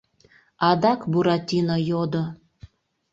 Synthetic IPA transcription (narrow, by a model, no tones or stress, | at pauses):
ɑd̪ɑkbuɾɑt̪ʲinojod̪o